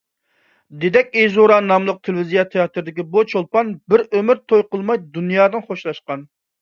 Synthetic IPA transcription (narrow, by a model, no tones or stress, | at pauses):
d̪ed̪ɛkʲezoɾɑnɑmlˠəq̚t̪ʰelɪvizijɑt̪ʰeɑt̪ʰɾɪd̪ɪkʲibut͡ʃʰolˠpɑnbɪɾømɪɾt̪ʰojqəlˠmɑjd̪unjɑːd̪ɨnχoʃlˠɑʃqɑn